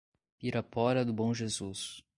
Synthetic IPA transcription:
piɾɐpɔɾɐd̪ʊbõw̃ʒezus

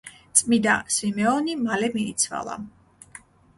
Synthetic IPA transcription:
t̪sʼmid̪asimɛɔnimalɛmiːt̪sʰva̰lˠa̰

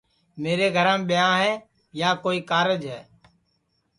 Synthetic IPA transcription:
meːɾeːɡʱəɾãːmɓɪjãːɦɛː | jaːkoːiːkaːɾəd͡ʒɦɛː

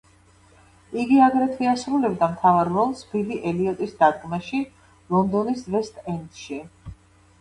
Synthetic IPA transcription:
iɡiaɡɾɛt̪ʰwiasɾulɛbd̪amt̪ʰavaɾvɔlˠsbiliʔɛliɔt̪ʼisd̪ad̪̚ɡmaʃi | lˠɔnd̪ɔnisvɛst̪ʼɛnt̪ʃi

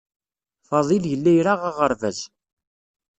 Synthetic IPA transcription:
fɑðˤiljəlːæjɾaʁaʁəɾˤvæ̰z

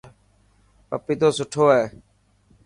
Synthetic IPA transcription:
pəpiːt̪oːsʊʈʰoːɦeː

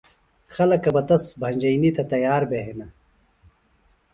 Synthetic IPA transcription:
xɐlɐkːɐbɐt̪ɐsbʱɐɲʲd͡ʑɐjnit̪ɐt̪ɐjaːɾbeɦenɐ

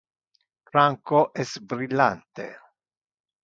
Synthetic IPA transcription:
fɾaŋkoʔɛsbɾilːa̰nt̪ḛ

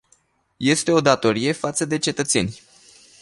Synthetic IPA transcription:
je̞st̪e̞o̞d̪at̪o̞ɾije̞fat̪səd̪e̞t͡ʃe̞t̪ət̪se̞nʲ

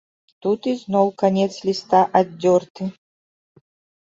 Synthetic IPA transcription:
t̪ut̪iznɔwkanʲɛt̪slʲist̪aʔadʲːɔrt̪ɨ

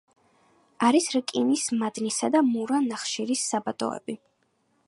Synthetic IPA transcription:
aɾisɾkʼinismad̪nisad̪amuɾanaχʃiɾisːabat̪ʼɔ̰ɛ̰bi

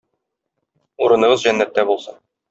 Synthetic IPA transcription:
uɾɤ̆nɤ̆ʁɤzʑænːæt̪ːæbulˠsɤn

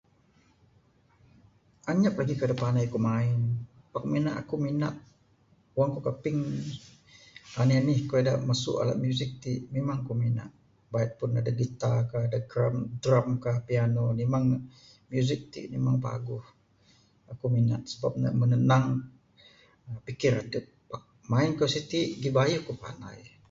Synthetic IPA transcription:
ʔaɲap̚laɡikədəpanajkumaɪn | pakminaʔa̰kuminat̪̚ | uwaŋkukapɪŋ | anenɪhkoeda̰ʔmasʊ̰ʔa̰la̰t̪̚mjuzɪk̚t̪iʔmemaŋakumina̰ʔ | bait̪̚pʊnadaɡit̪akahadaɡɾamdɾamkahpianonimaŋ | mjuzɪk̚t̪ḭʔnimaŋpa̰ɡʊh | akumina̰t̪̚səbap̚na̰mənənaŋ | pikɪɾat̪ə | paʔ̚ | maɪnkasit̪iʔɡibajuhkupa̰na̰j

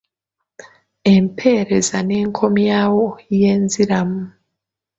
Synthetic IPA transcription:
empʰe̞ɾe̞zane̞ːŋkʰo̞mjaːwoje̞ːnziɾamu

